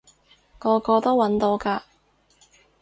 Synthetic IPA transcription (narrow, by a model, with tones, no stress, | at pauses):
kɔː˧kɔː˧t̪o˥wɐ˨˥nt̪o˧wkaː˧